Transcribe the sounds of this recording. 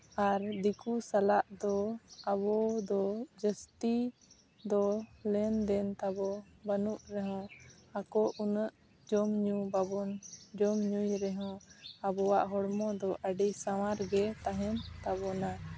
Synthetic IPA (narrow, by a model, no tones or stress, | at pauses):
aɾd̪ikusalaʔd̪ɔabɔd̪ɔd͡ʒəst̪i | d̪ɔlɛnd̪ɛnt̪abɔbənuʔɾɛɦɔ̃akɔʔunəʔ | d͡ʒɔmɲubabɔnd͡ʒɔmɲujɾɛɦɔ̃abɔwaʔɦɔɽmɔd̪ɔʔəɖisawaɾɡɛt̪aɦɛnt̪aβɔna